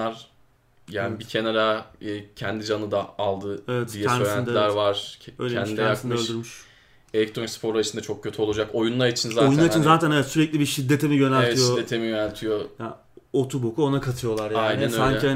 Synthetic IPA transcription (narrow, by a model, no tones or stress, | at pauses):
aɾ | jaːnbicʰeneɾaɛcʰɛnd̪id͡ʒanɯd̪aalˠd̪ɯevɛtd̪ijɛsøjɾænilʲæɾvaɾ̥øjlʲɛnd̪inɛjaksɯnmɯøʃlddyɾmyʃ | elʲɛk̚t̪ʰɾonspʰo̞ɾaɯʃɯnd̪at͡ʃʰo̞k̚cʰːø̞t̪ʰyo̞lˠud͡ʒako̞junlˠaɾit͡ʃʰinzaojunaɾit͡ʃʰinzaːt̪ʰænevɛt̪syɾɛclʲibiʃid̪ːe̞t̪ʰemijø̞nælʲtɛijʃoːet̪ʰemijønælʲt̪ʰijoja | ot̪ʰubo̞kuo̞nakʰat̪ʰɯjo̞lˠaɾjajnænøsaɲɛia